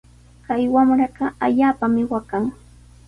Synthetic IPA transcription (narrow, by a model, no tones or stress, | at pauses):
kajwamɾɑɢɑaʎaːpamɪwakaŋ